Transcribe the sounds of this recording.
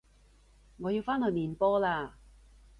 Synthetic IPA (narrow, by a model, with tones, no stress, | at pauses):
ŋɔː˨˧ji˧wfaː˥nhɵː˨˧miː˨npɔː˥laː˧